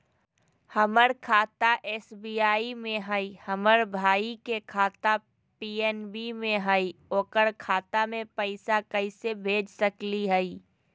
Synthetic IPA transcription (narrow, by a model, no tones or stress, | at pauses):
həməɾkʰaːt̪aʔeːsbiːaːimẽɦəihəməɾbʱaːikekʰaːt̪a | piːɛːnbimẽɦəioːkəɾkʰaːt̪amẽpəɪsakəɪsebʱeːd͡ʒʱsəkliɦəi